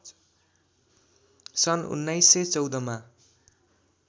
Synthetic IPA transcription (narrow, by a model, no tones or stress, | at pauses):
sʌnṵnːajsːet͡sʌwd̪ʌma